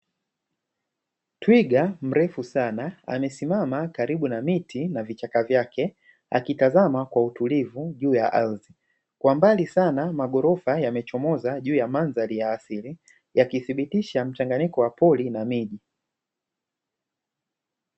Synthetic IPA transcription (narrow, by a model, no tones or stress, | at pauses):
twiɡam̩ɾɛfusanaa̰mɛsimamakaɾiɓunamitʰinavit͡ʃakavjakʰɛ | a̰kitazamakwautulivuʄuːja̰ʔalzi | kwambalisanamaɠɔɾɔfajamɛt͡ʃɔmɔzaʄuːjamanzalijaːsili | jakiθiɓitiʃam̩t͡ʃaŋɡanikɔwapɔlinamiʄi